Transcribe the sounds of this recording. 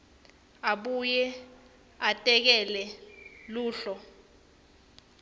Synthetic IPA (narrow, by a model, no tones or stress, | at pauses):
aɓujɛ | atʼɛk̬ɛlɛluːɬɔ